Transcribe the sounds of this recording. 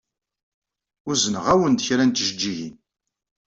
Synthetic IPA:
ʊzənəʁæwənd̪çɾænt̪ʒəd͡ʒːiʝḭn

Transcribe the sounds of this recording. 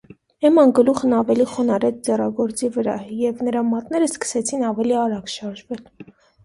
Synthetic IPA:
ɛmɑnɡəluχənɑvɛliχɔnɑɾɛt͡sʰd͡zɛrɑɡɔɾt͡sivəɾɑjɛvnəɾɑmɑt̪nɛɾəskə̥sɛt͡sʰinɑvɛliɑɾɑɡʃɑɾʒvɛl

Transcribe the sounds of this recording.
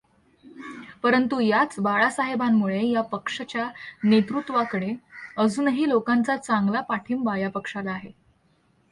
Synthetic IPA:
pəɾənt̪ujat͡sbaɭasaɦebamːuɭejapəkʂət͡ɕjanet̪ɾut̪ːʋakəɽeəd͡zuːnɦiːlokant͡sat͡saŋɡlapaʈʰiːmbajapəkʂalaːɦe

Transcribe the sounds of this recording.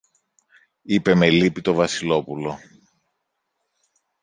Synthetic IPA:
ipe̞me̞lipit̪o̞vɐsilo̞pulo̞

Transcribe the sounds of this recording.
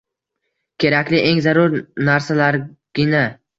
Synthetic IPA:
kʲʰe̞ɾakʲlɪʔe̞ŋzaɾʊɾnaɾsalaɾɡ̥ʲɪna

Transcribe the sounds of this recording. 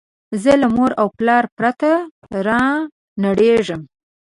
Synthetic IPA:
zəlamoɾawplɑɾpɾat̪a | ɾɑ | naɽeʐəm

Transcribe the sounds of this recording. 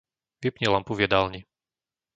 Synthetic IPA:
pipɲilampuvjɛd̪alɲi

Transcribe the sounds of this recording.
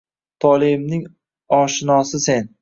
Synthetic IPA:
t̪ʰɒlˠɪmnɪŋ | ɒʃɪnɒsɪse̞n

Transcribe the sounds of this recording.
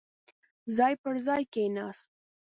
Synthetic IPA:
zɑːjpəɾzɑjkenɑːst̪̚

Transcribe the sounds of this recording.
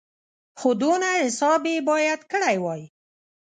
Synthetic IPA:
xod̪onahɪsɑbebɑjad̪kəɽajwɑj

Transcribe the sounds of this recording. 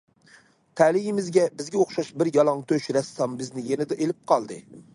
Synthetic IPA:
t̪ʰælɪjɪmɪzɡʲɛbɪzɡʲɛoχʃɑʃbɪɾjɑlˠɑŋt̪ʰøʃɾɛsːɑmbɪznɪjenɪd̪ɛʔelɪp̚qʰɑlˠd̪ɨ

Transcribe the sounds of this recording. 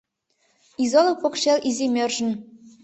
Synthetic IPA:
izɑlˠɤ̆pɤ̆kɕelʲʔizʲemʲerʒɘ̆n

